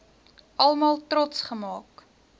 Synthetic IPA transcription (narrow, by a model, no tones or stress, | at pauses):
ʔɐlˠmɑːlˠtrɔtsχəmɑːk